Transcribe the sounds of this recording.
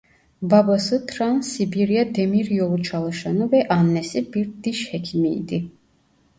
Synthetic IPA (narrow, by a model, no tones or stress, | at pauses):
babasɨt̪ʰɾansibiɾiad̪ɛmiɾjɔlut͡ʃʰalˠaʃanuvɛʔanːɛsibiɾt̪d̪iʃhɛkʰimḭːd̪i